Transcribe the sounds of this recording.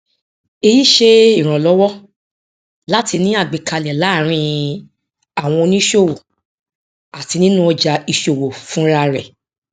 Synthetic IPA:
e˧ji˦ʃe˦i˦˨ɾ̃ɔ̃˨lɔ˨˦wɔ˦ | la˦ti˧nĩ˦a˦˨ɡ͡be˨kʰa˧lɛ˨la˨˦˨ɾ̃ĩ˧ | a˨w̃ɔ̃˧nĩ˦ʃo˦˨wo˨ | a˨ti˧nĩ˦nũ˦ɔ˧d͡ʒa˧i˧ʃo˨wo˨fũ˦ɾa˧ɾɛ̰˨

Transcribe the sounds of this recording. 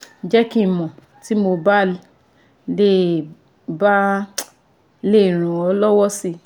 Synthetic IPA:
d͡ʒɛ˦kĩ˦˨mɔ̃˨ | ti˦mo˧ba˦˨l | le˦˨ | ba˦ | le˦˨ɾ̃ũ˨ɔ˨˦lɔ˦wɔ˦si˦

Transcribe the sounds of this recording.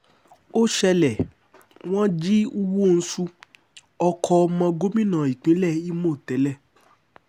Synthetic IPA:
o˦ʃɛ˧lɛ˨ | w̃ɔ̃˦d͡ʒi˦u˦wo˦˨n̩˦sũ˦˧ | ɔ˧kʰɔ˧mã˧ɡo˦mĩ˦˨nã˨i˨k͡pĩ˨˦lɛ˦˨i˦mõ˦˨tɛ˨˦lɛ˦˨

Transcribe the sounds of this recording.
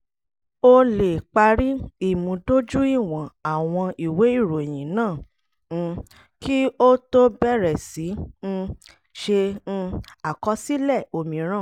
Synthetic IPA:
o˦le˨k͡pa˧ɾi˦i˦˨mũ˨˧do˦d͡ʒu˦i˦˨w̃ɔ̃˨a˨w̃ɔ̃˧i˨we˨˦i˦˨ɾo˨e˨j̃ĩ˨˦nãː˦˨˧ | ki˦o˦to˦bɛ˦˨ɾɛ˨si˨˦ñ̩˧ | ʃẽ˧ | a˨kɔ˨˧˦si˦lɛ˦˨o˧mĩ˨˦ɾ̃ã˦˨

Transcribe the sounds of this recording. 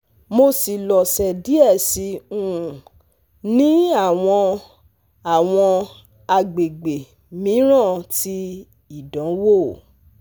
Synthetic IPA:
mo˧si˨lɔ˨sɛ˨di˨˦ɛ˦˨si˨˧˦ũ˦˨ | nĩ˦a˦˨w̃ɔ̃˧ | a˨w̃ɔ̃˧ | a˧ɡ͡be˨ɡ͡be˨ | mĩ˨˦ɾ̃ã˦˨ti˧ | i˦˨dã˨˦wo˦˨

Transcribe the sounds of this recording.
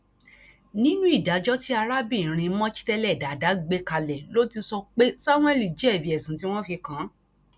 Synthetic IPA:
nĩ˦nũ˦i˦˨da˨˦d͡ʒɔ˦ti˦a˧ɾa˦bĩ˦˨ɾ̃ĩ˧˦mɔ̃˦t͡ʃi̥˦tɛ˧lɛ˦˨da˨˦˨da˨˦ɡ͡be˧ka˧lɛ˨lo˨˦ti˧sɔ˧k͡pe˦sa˦mw̃ɛ˦li˨d͡ʒɛ˨˦˨bi˧˦ɛ˨sũ˨˦ti˦w̃ɔ̃˦fi˧kã˨˦

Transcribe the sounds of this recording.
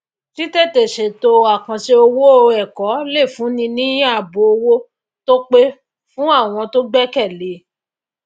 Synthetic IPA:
ti˦tɛ˦˨te˨ʃe˨to˧a˨kã˨ʃe˧o˧wo˦o˧ɛ˨kɔ˨˦le˦˨fũ˨˦nĩ˧nĩ˦a˦˨bo˨o˧wo˦ | to˦k͡pe˦ | fũ˦a˦˨w̃ɔ̃˧to˦ɡ͡bɛ˦kɛ˦˨le˨˦

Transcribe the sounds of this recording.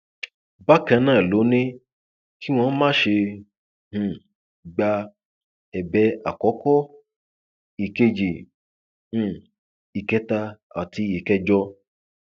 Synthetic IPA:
ba˦kã˧˦nãː˦˨lo˨˦nĩ˦ | ki˦w̃ɔ̃˧˦mãː˦ʃe˧ | h̩˧˨ | ɡ͡ba˧ | ɛ˨bɛ˨˧˦a̰˨kɔ˨˦kɔ˦ | i˨ke˧d͡ʒĩ˨˦˨ | i˨kɛ˧˦ta˧ | a˨ti˧˦je˨kɛ˧˦d͡ʒɔ˧

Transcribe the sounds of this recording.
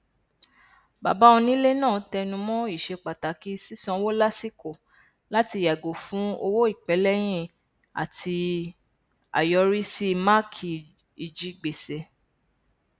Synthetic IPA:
ba̰˨ba˦ɔ̃˧nĩ˦le˦nãː˦˨˦tɛ˧nũ˧mɔ̃˦i˦˨ʃe˧k͡pa˨ta˨ki˦si˦sɔ̃˧˦wo˦la˦si˦ko˨ | la˦ti˧˨ja˨ɡo˨fũ˨˦o˧wo˦i˦˨k͡pɛ˨˦lɛ˦j̃ĩ˦ | a̰˨tʰi˧ | a̰˨jɔ˧ɾi˦si˦˧ma˦kʰi˨ | i˨d͡ʒi˨˦ɡ͡be˨se˨

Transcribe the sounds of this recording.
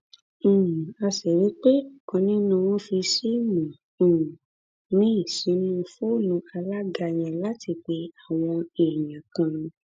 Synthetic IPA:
a˧sɛ˨wi˨˦k͡pe˦˨kɔ̃˧nĩ˦nũ˧w̃ɔ̃˦fi˧si˦mũ˨ | ũ˨ | nĩ˦˨si˨˦nũ˦˧fo˦˨nũ˧˦a˧la˦ɡa˧˨j̃ã˨la˦ti˧k͡pe˧a˦˨w̃ɔ̃˧e˨jã˨kã˧

